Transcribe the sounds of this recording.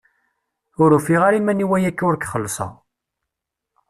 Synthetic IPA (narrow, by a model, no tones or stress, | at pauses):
ʊɾufiʁaɾimæniwæjækːʊɾkχəlːsˤɑ̰